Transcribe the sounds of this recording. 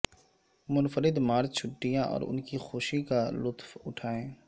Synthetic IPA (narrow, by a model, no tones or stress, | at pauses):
mʊnfəɾɪd̪maːɾt͡ʃʰʊʈːijãʔɔ̰ːɾʊ̰nkixoːʃikalʊt̪fʊʈʰaːẽː